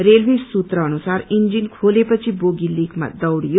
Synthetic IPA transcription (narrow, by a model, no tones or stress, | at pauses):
ɾelʋisːut̪ɾəːnusaɾind͡ʒinkʰolepət͡ʃʰiboɡilikʰma̰d̪ʌwɽijo